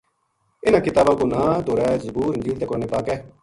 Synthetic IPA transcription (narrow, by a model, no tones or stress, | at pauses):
ɪnãːkɪt̪aːbãːkoːnãːd̪oːɾɛːzəbuːɾɪnd͡ʒiːlt̪eːkoɾneːpaːkɛː